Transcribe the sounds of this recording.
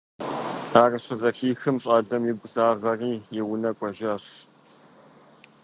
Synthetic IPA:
aːrɨɕɐzɐxiːxɨmɕʼaːɮɐmjɪbʷzaːʁɐriːjɛwʊnɐkʷʼɔʒɐɕ

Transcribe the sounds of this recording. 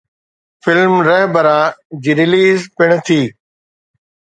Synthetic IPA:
fɪlmɾɛɦbəɾãːd͡ʑiːɾɪliːzpɪɽ̃t̪ʰiː

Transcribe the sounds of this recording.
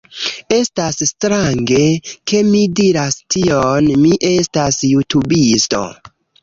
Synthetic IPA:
e̞stasstɾaŋɡe̞ke̞midiɾastʰionmiʔe̞stasjutubisto̞̰

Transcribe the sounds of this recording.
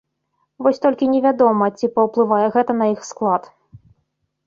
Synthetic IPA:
vɔsʲt̪ɔlʲkʲinʲɛvʲad̪ɔmɐt͡sʲipɐwplˠɨvajɛɣɛt̪ɐnɐixsklˠat̪

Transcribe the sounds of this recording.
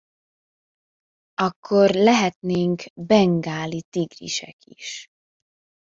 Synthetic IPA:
ɒkʰːo̞rlɛɦɛt̪neːŋkbɛŋɡaːlit̪iɡrḭʃɛ̰kʰḭʃ

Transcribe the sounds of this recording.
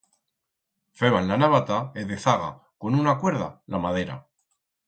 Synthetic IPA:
feβanlanaβat̪aeðeθaɣa̰ | ko̞nunakwe̞ɾðalamaðe̞ɾa̰

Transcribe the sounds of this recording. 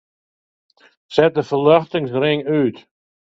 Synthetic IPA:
sɛt̚dəfəlœχtɪŋsrɪŋyːt

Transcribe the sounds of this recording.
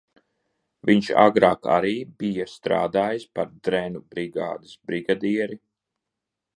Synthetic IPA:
viɲʃa̰ɡɾaːka̰ɾiːbijast̪ɾa̰ːd̪aːjispaɾd̪ɾɛnubɾiɡa̰ːd̪ɨsbɾiɡad̪iɛɾi

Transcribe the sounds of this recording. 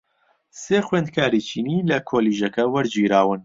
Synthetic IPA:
seːxweːnd̪̚kʰaːɾit͡ʃʰiːniːlɐkʰoːliːʒɐkɐwɐɾd͡ʒiːɾaːwɨn

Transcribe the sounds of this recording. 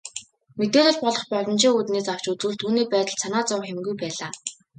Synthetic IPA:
met̪eːɮɘ̆ɮpɔɮɞ̆χpɔɮɞ̆n̥t͡ɕʰiːŋut̪neːsaw̥t͡ɕut͡suːɮt̪ʰuːneːpæːt̪ə̆ɮsanaːt͡sɔwxemɡujpæːɮaː

